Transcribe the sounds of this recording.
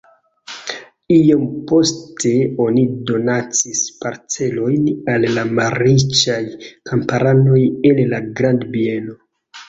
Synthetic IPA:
iompo̞stʰe̞o̞nido̞nat͡sispaɾt͡se̞lo̞jnalːamaɾit͡ʃajkʰampaɾano̞jenlaɡɾandbie̞no̞

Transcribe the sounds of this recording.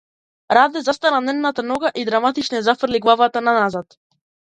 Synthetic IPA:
ɾad̪ɛzast̪ananɛnnat̪anɔɡaʔid̪ɾamat̪it͡ʃnɛzafr̩liɡlˠavat̪ananazat̪

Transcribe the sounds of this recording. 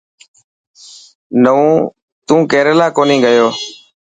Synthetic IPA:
nəũː | t̪ũːkeːɾeːlaːkoːnĩːɠəjoː

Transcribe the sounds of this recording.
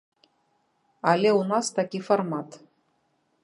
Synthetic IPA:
ɑlʲeunɑst̪akʲiformɑt̪

